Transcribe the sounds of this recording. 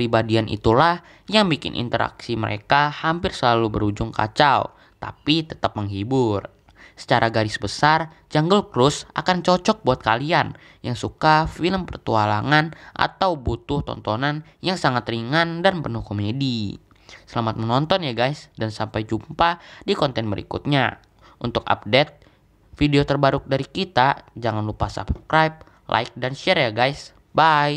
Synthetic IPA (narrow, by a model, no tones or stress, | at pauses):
pɾibadianʔḭt̪ulah | jaŋbikɪ̰nʔḭnt̪əɾʔa̰ksiməɾʔḛkahampɪrsəlalubəɾud͡ʒʊŋka̰t͡ʃaw | t̪a̰pit̪ət̪ap̚məŋɦibʊr | sə̥t͡ʃaɾʔaɡaɾɪsbəsar | d͡ʒaŋɡəlkɾʊsa̰kant͡ʃɔt͡ʃɔk̚buat̪̚kalian | jaŋsukafiləmpərt̪ualaŋanʔa̰t̪awbut̪ʊht̪ɔ̰nt̪ɔnan | jaŋsaŋat̪riŋandanpənʊhkomedi | səlamat̪̚mənɔnt̪ɔnjaɡajsdansampajd͡ʒumpadikɔnt̪ɛnbəɾḭkṵt̪̚ɲa | ʔunt̪ʊka̰p̚dɛt̪̚ | fideot̪ərbaɾʊk̚daɾikit̪ad͡ʒaŋanlupasa̰bskɾajp̚ | lʔa̰ɪk̚danʃɛɾjaɡajs | bai